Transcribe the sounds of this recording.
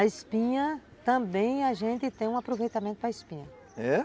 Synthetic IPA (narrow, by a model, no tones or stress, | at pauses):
ɐɪspĩɲɐ | t̪ɐ̃bẽj̃aʒẽnt̪ɪt̪ẽj̃ũapɾovejt̪amẽnt̪ʊpɾɐɪspĩɲɐ | ɛ